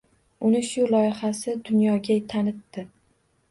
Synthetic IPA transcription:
ʊnɪʃʊlˠɒjɪhasɪd̪ʊnjɒɡʲat̪ʰanɪt̪ːɪ

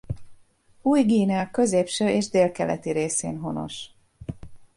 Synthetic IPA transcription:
uːjɡiːnɛɑkø̞zeːpʃøːʔeːʒd̪eːlkɛlɛ̰t̪iɾeːsḛːnɦo̞no̞̰ʃ

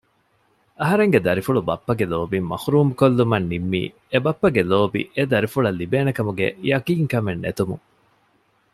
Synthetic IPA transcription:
ɐɦɐɾeŋɡed̪ɐɾifuɭubɐpːɐɡeloːbimɐ̰huɾuːmukolːumɐnːimːḭː | ebɐpːɐɡeloːbḭʔed̪ɐɾifuɭɐlːibeːnekɐmuɡḛjɐkiːŋkɐmenːet̪umṵ

